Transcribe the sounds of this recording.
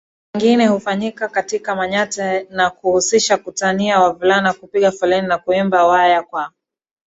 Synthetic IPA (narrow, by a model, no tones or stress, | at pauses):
wɛŋɡinɛhufaɲikakatikamaɲatɛnakuhusiʃakutaniawavulanakupiɠafɔlɛninakuimbawajakwa